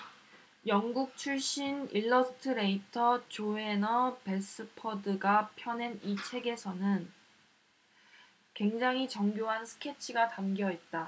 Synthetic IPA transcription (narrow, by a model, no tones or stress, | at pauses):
jʌŋɡuk̚t͡ɕʰuɭɕ͈iniɭːʌsʰɯ̥tʰɯɾe̞itʰʌt͡ɕoe̞nʌpe̞s͈ɯpʰʌdɯɡapʰjʌne̞nit͡ɕʰe̞ɡe̞sʰʌnɯn | kwe̞ŋd͡ʑaŋɦit͡ɕʌŋɡjoɦansʰɯ̥kʰe̞t͡ɕʰiɡatamɡjʌet̚t͈a